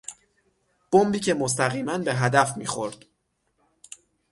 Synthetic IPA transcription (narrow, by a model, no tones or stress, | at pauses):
b̥ombiːcʰe̞mos̬t̪ʰæɣiːmænbe̞ɦæd̪æfmiːxoɾd̪̥